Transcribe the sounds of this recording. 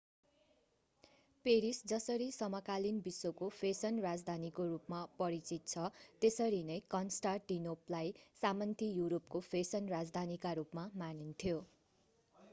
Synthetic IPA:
peɾisd͡zʌsʌɾisʌmʌkalinbisːokopʰesʌnrad͡zd̪ʱanikoɾupmapʌɾit͡sit̪̚t͡sʰʌt̪esʌɾinʌjkʌnsʈarʈinoplajsamʌnt̪ʰijuɾop̚kopʰesʌnrad͡zd̪ʱanikaɾupmamanint̪ʰijo

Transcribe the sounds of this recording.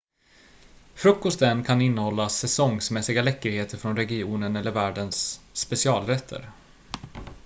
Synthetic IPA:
fɾɵkːɔst̪ənkʰanɪnːəhɔlːasɛsɔŋsmɛsːɪɡalɛkːəɾheːt̪ʰəɾfɾɔnɾɛɡɪuːnənɛlːəɾvæːɖənsːpɛsɪɑːlɾɛt̪ʰːə̰ɾ

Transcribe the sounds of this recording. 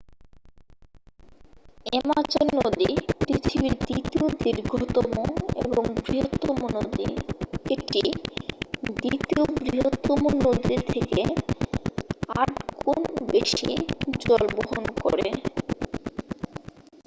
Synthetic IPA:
emat͡ɕonod̪ipɾit̪ʰibiɾd̪it̪iod̪iɾɡʱot̪omoeboŋbɾiɦot̪ːomonod̪ḭeʈi | d̪it̪iobɾiɦot̪ːomonod̪iɾt̪ʰeke | aʈɡonbeʃḭd͡ʑɔlboɦonkoɾee

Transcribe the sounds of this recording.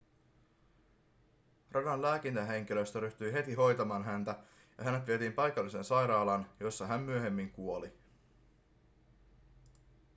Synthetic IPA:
rʔɑdɑnlæːkint̪æɦe̞ŋk̟ilø̞st̪æɾyht̪yjɦe̞t̪iɦo̞jt̪ɑmɑːnɦænt̪æ | jɑɦænet̪ʋie̞t̪iːmpɑjkɑlːise̞nsɑjɾɑːlɑnjo̞sːɑɦæmːyø̞he̞mːiŋkuo̞li

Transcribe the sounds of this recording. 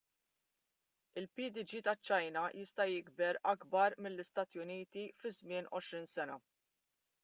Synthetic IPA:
ɪlpiːd̪ɪd͡ʒiːt̪ɐt͡ʃːɐjnɐjɪst̪ɐjɪɡbɛɾʔɐɡbɐɾmɪlːɪst̪ɐːt̪jʊniːt̪ifɪzmɪːnʔɔʃɾiːnsɛnɐ

